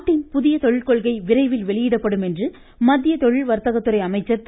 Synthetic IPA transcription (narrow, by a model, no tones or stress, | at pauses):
ʈːɪnpʊðɪjɐt̪ɔɻɪɭkɔɭɣɐɪʋɪrɐɪʋɪlʋɛɭɪjɪɽɐpːɐɽɯmɛndrɯ | mɐðːɪjɐt̪ɔɻɪɭʋɐɾt̪ɐɣɐt̪ːɯrɐɪɐmɐɪt͡ʃːɐt̪ː